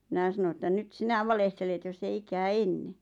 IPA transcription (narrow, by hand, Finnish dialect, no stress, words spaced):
mĭnæˑ sɑno etːæ nyt sinæ ʋɑlehtelet josː ei ikæː enːe